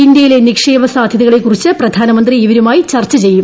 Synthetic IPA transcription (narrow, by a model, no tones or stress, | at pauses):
ind̪jɐjile̞nikʂeːbɐsaːd̪ʱjɐðɐɣɐɭekːurit͡ɕːɨprɐd̪ʱaːnɐmɐnd̪riːʋɐɾumaːjit͡ɕɐrt͡ɕːɐt͡ɕe̞jːum